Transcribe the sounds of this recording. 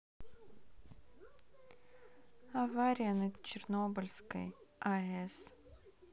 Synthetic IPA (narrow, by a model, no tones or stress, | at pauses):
ɐvaɾʲɪjənɐt͡ɕɪrnobɨlʲskə̰jaɛs